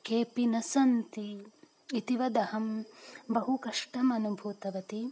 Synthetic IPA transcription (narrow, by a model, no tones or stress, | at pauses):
keːpinɐsɐnt̪iː | t̪iʋɐd̪ɐhɐmbɐɦukɐʂʈɐmɐnubʱuːt̪ɐʋɐt̪i